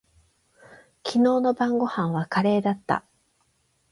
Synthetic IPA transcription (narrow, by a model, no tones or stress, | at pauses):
kʲʰino̞ːno̞bãŋɡo̞hãɰ̃βakaɾe̞ːd̪at̪ːa̰